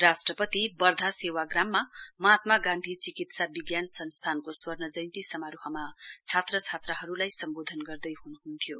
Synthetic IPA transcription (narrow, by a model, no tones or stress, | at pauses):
rasʈrʌpʌt̪ibʌrd̪ʱasewaɡramːamʌɦat̪maɡãnd̪ʱit͡sikit̪sabiɡjansʌnst̪ʰankoswʌrnʌd͡zʌjnt̪isʌmaɾuɦʌmat͡sʰat̪rʌt͡sʰat̪rʌɦʌɾulajsʌmbod̪ʱʌnɡʌrd̪ʌjɦunuɦunt̪ʰijo